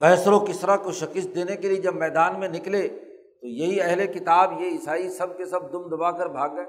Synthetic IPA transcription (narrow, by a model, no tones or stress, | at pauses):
kɛːsɾõkɪsɾakoʃɐkɪst̪̚d̪eːnekelied͡ʒɐbmɛːd̪aːnmẽnɪkle | t̪ojɐɦiɛɦlekɪt̪aːbjeɪsaːisɐb̚kesɐb̚d̪ʊmd̪ɐbaːkɐɾbʱaːɡːɐeː